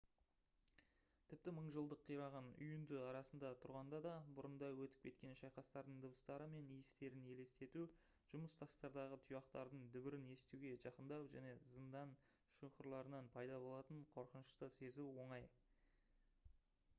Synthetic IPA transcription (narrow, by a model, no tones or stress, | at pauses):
t̪ʰɪp̚t̪ɪməɴʒəlˠd̪əqʰːijɾɑʁɑnʏ̰jʏnd̪ɪɑɾɑsənd̪ɑt̪ʰʊɾʁɑnd̪ɑd̪ɑbʊɾənd̪ɑwɵt̪ɪ̥p̚kʲʰe̞t̪̚kʲe̞nʃɑjqɑst̪ɑɾd̪əɴd̪əbəst̪ɑɾəme̞nijɪst̪e̞ɾɪne̞le̞st̪e̞t̪u | ʒ̥ʊməst̪ʰɑst̪ɑɾd̪ɑʁət̪ʰʊjɑqt̪ɑɾd̪əɴd̪ʏbɪɾɪne̞st̪uwɡʲe̞ʒɑqənd̪ɑwʒæne̞zənd̪ɑn | ʃuqəɾlˠɑɾənɑnpʰɑjd̪ɑbo̞lˠɑt̪əɴqʰo̞ɾqənəʃt̪əse̞zuwo̞ɴɑj